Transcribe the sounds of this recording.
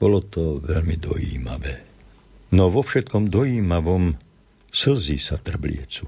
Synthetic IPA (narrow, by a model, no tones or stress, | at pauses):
b̥ɔlɔt̪ɔʋɛlmid̪ɔ̰jḭːma̰ʋɛː | nɔʋɔfʃɛt̪kɔmd̪ɔjiːmaʋɔm | sl̩ziːsat̪r̩blɪ̰ɛt͡su